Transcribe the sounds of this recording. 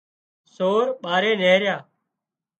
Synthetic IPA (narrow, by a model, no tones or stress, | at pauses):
soːɾɓaːɾeːneːɾɪjaː